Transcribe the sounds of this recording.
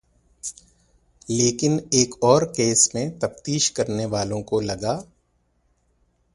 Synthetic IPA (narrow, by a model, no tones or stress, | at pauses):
leːkɪneːkɔːɾkeːsmẽt̪ɐft̪iːʃkɐɾneʋaːlõkolɐɡaː